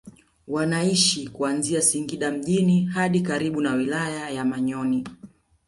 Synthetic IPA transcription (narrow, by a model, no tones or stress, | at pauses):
wanaiʃikuanziasiŋɡiɗam̩ʄinihaɗikaɾiɓunawilajajamaɲɔni